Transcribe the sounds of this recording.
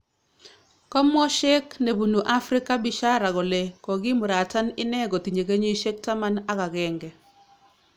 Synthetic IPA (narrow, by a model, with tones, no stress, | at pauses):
kɔ˦mwɔ˦ʃɛ˦kne˨bu˨nu˨ʔa˦fɾɪ˦ka˦bɪ˦ʃa˦ɾa˨ɡɔ˨le˨kɔ˨ɡi˦mʊ˨ɾa˨ta˦nɪ˦nɛ˦ɡɔ˨ti˨ɲe˨ke˦ɲe˦ʃe˦k̚ta˦ma˦na˦ka˨ɡɛ˨ŋɡɛ˨